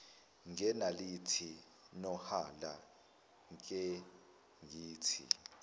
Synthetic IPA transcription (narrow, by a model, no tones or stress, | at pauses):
ŋɛnalitʰi | nɔhala | ŋkʼɛ | ŋiːtʰḭ